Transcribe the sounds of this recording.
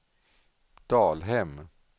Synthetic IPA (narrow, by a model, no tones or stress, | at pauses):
d̪̥ɑːlɦɛm